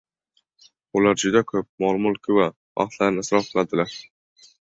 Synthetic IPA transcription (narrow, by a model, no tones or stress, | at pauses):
ʊlaɾd͡ʒʊd̪akʰɵp̚mɒlˠmʊlˠkʲʰʊwa | va̰χt̪ʰlaɾnɪsɾɒfqʰɨlˠad̪ɪlaɾ